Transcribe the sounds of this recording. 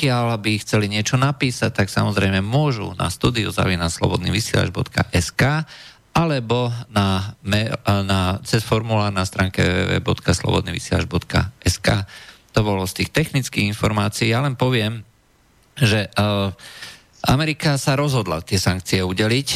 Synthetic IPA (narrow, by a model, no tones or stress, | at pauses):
kɪalabixt͡sɛliɲɪɛt͡ʃɔnapiːsac̚t̪aksamɔzɾɛɪmɛmʊɔʒṵnʔa̰st̪uːd̪iṵza̰ʋiːnaslɔ̰bɔ̰d̪niːʋisɪɛ̰la̰d͡ʒbɔ̰t̪ka̰ʔɛskaː | alɛbɔnamɛnat͡sɛsfɔɾmulaːɾnast̪ɾaːŋkɛʋɛʋɛ̰ːʋɛ̰ːbɔt̪kaslɔ̰bɔ̰d̪niːʋḭsɪɛla̰d͡ʒbɔt̪ka̰ʔɛskaːt̪ɔbɔlɔst̪iːxt̪ɛxnit͡skiːɣinfɔɾmaːt͡siːjalɛnpɔʋɪɛm | ʒɛ | amɛɾikasaɾɔzɦɔd̪la̰t̪ɪɛsaŋk̚t͡siɛuɟɛlic